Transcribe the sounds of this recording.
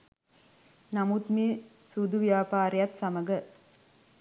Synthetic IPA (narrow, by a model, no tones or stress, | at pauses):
nɐmut̪miːsud̪uʋjaːpaːɾijɐt̪sɐməɡə